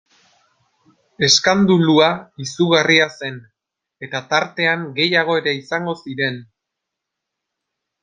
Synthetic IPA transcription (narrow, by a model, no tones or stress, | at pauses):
e̞skand̪uluaisuɣariase̞n | e̞t̪at̪aɾt̪e̞aŋɡe̞jaɣ̞o̞e̞ɾe̞isaŋɡo̞siɾe̞n